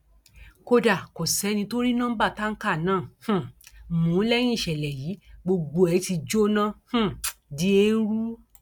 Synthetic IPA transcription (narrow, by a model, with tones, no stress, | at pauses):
ko˧da˨ko˨sɛ˨˦nĩ˧to˦ɾi˦nã˦ba˦˨ta˦ŋ̩˦ka˦˨nãː˦˨h̩˦˨mũ˨˦lɛ˦j̃ĩ˦˨ʃɛ˨lɛ˨jiː˨˦ɡ͡bo˧ɡ͡bo˧ɛ˨˧˦ti˧d͡ʒo˦nã˦˨h̩˦di˧˦e˧˦n̩˦ɾu˦